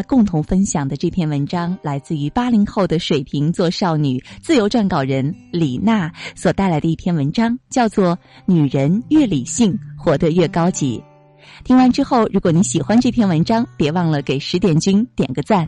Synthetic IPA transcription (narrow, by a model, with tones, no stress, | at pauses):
kʊ˥˩ŋt̪ʰʊ˧˥ŋfə˥nɕjɑ˨˩ŋd̪ə˦ʈ͡ʂɤ˥˩pʰjɛ˥˩nwə˧˥nʈ͡ʂɑ˥ŋla˧˥ɪt͡sɹ̩˥˩y˧˥pa˥li˧˥ŋxo˥˩ʊd̪ə˩ʂwe˨˩ɪpʰi˧˥ŋt͡swɔ˥˧ʂɑ˥˩ʊny˨˩˦t͡sɹ̩˥˩jo˧˥ʊʈ͡ʂwa˥˩nkɑ˥˨˩ʊɻə˧˥nli˨˩na˥˩swɔ˨˩t̪a˥˩ɪla˧˥ɪd̪ə˧i˥˩pʰjɛ˥˩nwə˧˥nʈ͡ʂɑ˥ŋt͡ɕjɑ˥˧ʊt͡swɔ˥˩ | ny˨˩ɻə˧˥nɥɛ˥˩li˨˩ɕi˥˩ŋxwɔ˧˥t̪ə˧ɥɛ˥˩kɑ˥ʊt͡ɕḭ˧˥ | t̪ʰi˧˥ŋwa˧˥˧nʈ͡ʂɻ̩˥xo˥˩ʊɻu˧˥kwɔ˨˩ni˧˥ɕi˨˩xwa˥nʈ͡ʂɤ˥˩pʰjɛ˥˩nwə˧˥nʈ͡ʂɑ˥ŋpjɛ˧˥wɑ˥˩ŋlə˩ke˨˩ɪʂɻ̩˧˥t̪jɛ˨˩nt͡ɕy˥nt̪jɛ̰˨˩nɡə˧˦t͡sa˥˩n